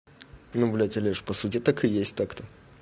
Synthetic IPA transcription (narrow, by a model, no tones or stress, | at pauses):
nublʲɛtʲɐlʲeʂpɐsutʲɪt̪akɨjesʲtʲt̪akt̪ə